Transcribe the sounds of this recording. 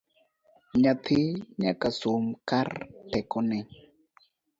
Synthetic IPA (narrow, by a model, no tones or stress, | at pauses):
ɲat̪ʰiɲakasumkartɛkɔnɛ